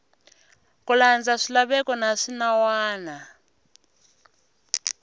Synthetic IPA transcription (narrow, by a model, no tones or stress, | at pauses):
kʼuland͡zaʂilaɓɛkʼɔnaʂinawaːna